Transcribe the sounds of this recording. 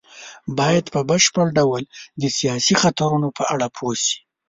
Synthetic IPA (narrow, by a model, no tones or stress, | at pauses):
bɑjad̪pəbəʃpəɽɖawəld̪əsijɑsixat̪aɾunopəʔaɽapʰosi̥